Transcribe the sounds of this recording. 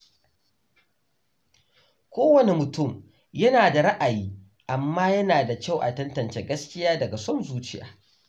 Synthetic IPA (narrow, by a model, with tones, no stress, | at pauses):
kʷoː˦wɐ˨ne˦mʊ˨tʊ˦˨m | jɐ˦naː˨da˨ɾɐ˦ʔa˨jiː˦ | ʔa˨mːaː˦jɐ˦naː˨da˨kʲa˦˨wʔa̰˨tɐ˦ntɐ˨nt͡ʃe˦ɡɐ˦skʲɪ˦jaː˦dɐ˨ɡa˨sɔ˦nzuː˦t͡ʃɪ˦ja̰ː˨